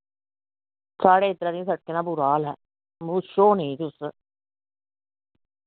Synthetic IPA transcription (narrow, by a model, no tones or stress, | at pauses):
saːɽeːɪt̪ɾãːd̪ĩːsəʈ̚keːnãːbʊɾaːlɦɛː | mʊʃoːnĩːt̪ʊs